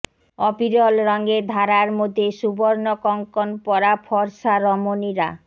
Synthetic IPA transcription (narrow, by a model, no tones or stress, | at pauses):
ɔpiɾɔlɾɔŋɡed̪ʱaɾaɾmod̪ʱeʃuboɾnokɔŋkonpɔɾapʰɔɾʃaɾɔmoniɾa̰